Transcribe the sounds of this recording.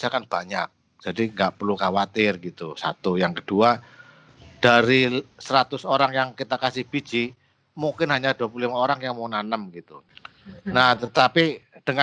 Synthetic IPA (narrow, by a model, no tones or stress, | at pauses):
sakanb̥aɲak̚ | d͡ʒ̥adiŋɡaʔpərlukawat̪ɪrɡit̪usa̰t̪ujaŋkəd̥ua | d̥aɾisəɾat̪ʊsoɾaŋjaŋkit̪akasɪhb̥i̥d͡ʒi | muŋkɪnɦaɲad̥uap̬ulimaoɾaŋjaŋmaunanəmɡit̪u | naht̪ət̪apid̥əŋa